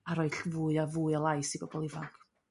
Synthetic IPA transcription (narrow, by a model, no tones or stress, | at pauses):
aɾɔɨɬvuːɨavuːɨəlˠajsiɡɔbɔlˠivaŋkʰ